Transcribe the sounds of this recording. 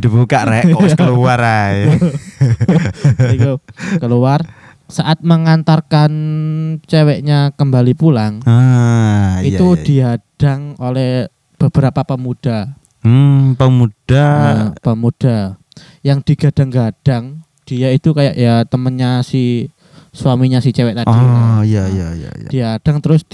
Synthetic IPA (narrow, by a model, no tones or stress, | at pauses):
dibukaʔɛʔkəluwaɾaj | ik̪ukəluwar | saʔat̪̚məŋant̪arkant͡ʃewɛʔɲakəmbalipulaŋa | it̪ud̥iad̥aŋolɛh | b̥əb̥əɾapapəmud̥a | pəmud̥aapəmud̥a | jaŋd̥iɡad̥aŋɡad̥aŋ | d̥iait̪ukajaʔjat̪əmənɲasɪ | swamiɲasɪht͡ʃewɛʔt̪adiajaja̰d̥iad̥aŋt̪əɾʊs